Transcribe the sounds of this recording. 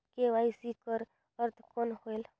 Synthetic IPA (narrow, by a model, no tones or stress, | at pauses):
keʋaːisikəɾ | əɾt̪ʰkonhoel